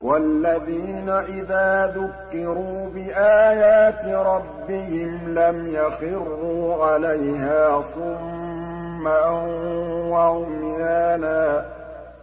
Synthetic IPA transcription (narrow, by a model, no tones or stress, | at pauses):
walːaðiːnaʔɪðaːðʊkːɪɾuːbɪʔaːjaːt̪ɾˤɑbːɪhɪmlamjaxɪrːuːʕalajɦaːsˤʊmː | a | waʕʊmjaːnaː